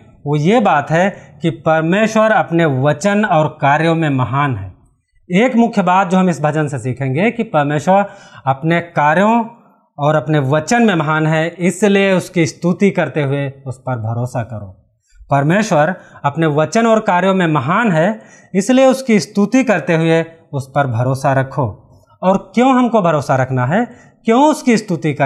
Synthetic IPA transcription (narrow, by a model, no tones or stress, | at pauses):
ʋoːjebaːt̪ɦɛkipɐɾmeːʃwəɾɐpneʋɐt͡ʃənɔːɾkaːɾjõmẽmɐɦaːnɦɛ̰ː | eːkmʊkʰjəbaːt̪̚d͡ʒoːɦɐmɪsbʱɐd͡ʒənsesiːkʰẽːŋɡekipɐɾmeːʃwəɾɐpnekaːɾjõ | ɔːɾɐpneʋɐt͡ʃənmẽmɐɦaːnɦɛɪslieʊskist̪ut̪ikɐɾt̪eɦʊeʊspɐɾbʱɐɾoːsakɐɾo̰ː | pɐɾmeːʃwəɾɐpneʋɐt͡ʃənɔːɾkaːɾjõmẽmɐɦaːnɦɛ | ɪslijeʊskist̪ut̪ikɐɾt̪eɦʊe | ʊspɐɾbʱɐɾoːsaɾɐkʰo̰ː | ɔːɾkjõːɦɐmkobʱɐɾoːsaɾɐkʰnaɦɛ | kjõːʊskist̪ut̪ikɐ